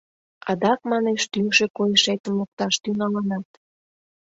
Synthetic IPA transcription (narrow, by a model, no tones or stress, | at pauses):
ɑd̪ɑkmɑneʃt̪yŋʃekojəʃet̪əmlək̚t̪ɑʃt̪yŋɑlɑnɑt̪